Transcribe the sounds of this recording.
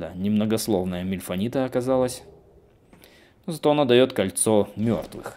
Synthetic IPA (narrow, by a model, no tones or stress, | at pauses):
a̰nʲɪmnəɡɐslˠo̞vnəjəmʲɪlʲfɐnʲit̪əːkɐzalˠəsʲ | nozɐt̪o̞ɐnod̪ɐjo̞t̪kɐlʲt̪so̞mʲo̰rt̪vɨ̰x